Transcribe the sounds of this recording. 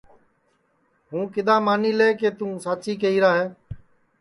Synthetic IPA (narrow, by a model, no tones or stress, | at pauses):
ɦũːkɪd̪ãːmaːniːleːkeːt̪ũːsaːt͡ʃiːk̬eiːɾaːɦeː